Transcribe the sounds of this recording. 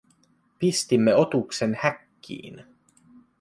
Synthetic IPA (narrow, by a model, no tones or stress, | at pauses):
pist̪imːeo̞t̪ukse̞nhækːḭːn